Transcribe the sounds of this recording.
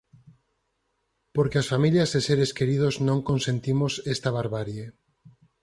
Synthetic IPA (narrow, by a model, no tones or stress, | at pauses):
poɾkeasfamiljazðeseɾeskeɾið̞oznõŋkonsẽnt̪imosest̪aβaɾβaɾje